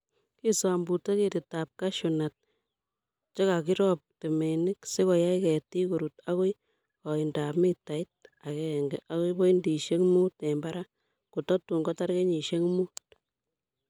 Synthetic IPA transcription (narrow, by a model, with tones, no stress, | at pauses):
ki˦sa˨mbu˨te˦ke˨ti˨ta˨p̚ka˦ʃu˨na˨t̚ | t͡ʃe˦ka˨ki˦ɾɔ˦p̚te˨me˨nɪ˦kse˦kɔ˨ja˦i˦kɛ˨ti˦ko˨ɾu˨ta˦ko˦j | kɔ˨i˨nda˨pmi˦ta˨i˦t̚a˨kɛ˦ɛ˨ŋɡɛ˨ʔa˦ko˦ibɔ˦i˦ndi˨ʃe˦ŋmu˦tɛ˨mba˦ɾa˦ | ku˨tɔ˦tu˨ŋɡɔ˦ta˦ɾke˦ɲi˨ʃe˦ŋmu˦